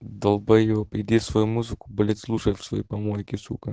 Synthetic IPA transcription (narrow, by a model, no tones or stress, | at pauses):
d̪ɐlˠbɐjvopɪd̪ʲifsvɐjumuzɨkʊ̥bɐlʲɪt̪ʲslˠuʂɐjfsvɐjipɐmojɪkʲɪsṵkɐ